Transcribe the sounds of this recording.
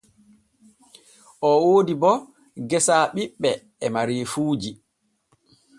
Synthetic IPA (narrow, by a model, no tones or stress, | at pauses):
ʔɔwoːdibɔ | ɡɛsaːɓiɓːɛː | maɾiːfuːd͡ʒi